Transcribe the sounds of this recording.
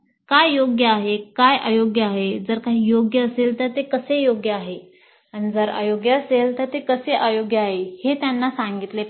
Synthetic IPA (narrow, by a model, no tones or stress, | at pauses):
kajːoɡjəaɦekajʔajoɡjəaɦed͡zəɾkaɦiːjoɡjəːselt̪əɾt̪ekəsejoɡjəaɦe | aɽ̃id͡zəɾa̰joɡjəəselt̪əɾt̪ekəseʔajoɡjəaɦehet̪janːasãŋɡit̪le